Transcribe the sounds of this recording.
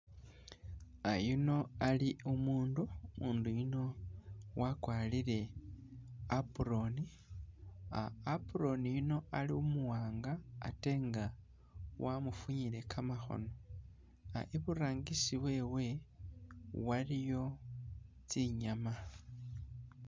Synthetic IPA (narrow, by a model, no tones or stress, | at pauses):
ajuno̞aliumuːndumʔuːndujino̞wakwaːliɾe̞ | apuɾo̞ni | a̰ːpuɾo̞nijuno̞aliumuwaːŋɡa̰ːte̞ːŋɡa | wamufuɲile̞kʰamaxo̞̰no̞ | a̰ʔeβuɾaːŋɡisiβwe̞ːwe̞ | walijo̞ | t͡siɲama